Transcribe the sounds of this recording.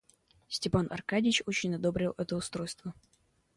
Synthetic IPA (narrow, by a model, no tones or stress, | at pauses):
sʲtʲɪpanʔɐ̰rkadʲɪt͡ɕo̞t͡ɕɪnʲɐd̪o̞bɾʲɪlˠʔɛt̪əʊst̪ɾo̞jst̪və